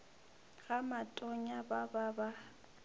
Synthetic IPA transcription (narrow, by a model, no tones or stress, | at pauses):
ɣamatʼɔɲabababa